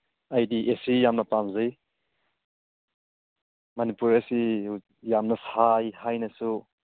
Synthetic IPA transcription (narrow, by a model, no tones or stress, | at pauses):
ajdiʔesijamnɐpamzɯj | mɐnipuɾesi | jamnɐsajhajnɐsu